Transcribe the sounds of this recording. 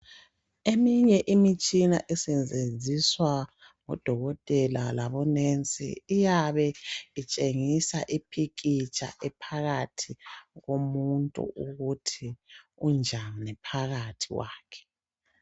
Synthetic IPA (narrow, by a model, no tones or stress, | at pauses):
emiɲɛʔimit͡ʃʼinaʔɛsɛnd͡zʱed͡zʱiswa | ŋɔ̰d̥ʱɔɣɔtʼɛlalaβɔnent͡sʼḭːjaβɛit͡ʃʼeŋisaʔipʰikʼit͡ʃʼa̰ʔɛpʰaɣatʰiɣomuntʼṵʔuɣutʰiund͡ʒʱannɛpʰaɣatʰiwa̰ːkʰɛ̥